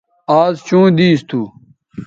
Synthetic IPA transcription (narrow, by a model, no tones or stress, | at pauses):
aːzt͡ɕũːd̪iːst̪ʰuː